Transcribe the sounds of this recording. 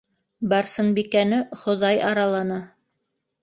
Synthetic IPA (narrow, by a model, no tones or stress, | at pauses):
bɑɾsɤnbikænɘχŏðɑjɑɾɑlˠɑnɤ